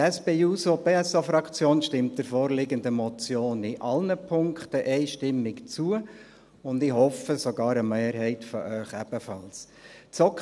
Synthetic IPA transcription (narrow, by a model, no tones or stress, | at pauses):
ɛsb̥eːuːsobeːɛsofɾɑkt͡sjoːnʃtɪmtəɾfɔːɾlɪɡənd̪əmɔt͡sjoːnɪʔɑlnəpʰʊŋktəʔɛɪʃtɪmːɪkt͡suə | ʊndɪhɔfəsɔɡɑːɾəmeːɾɦɛɪtfɔʔœʏχɛb̥əfɑls | t͡sɔk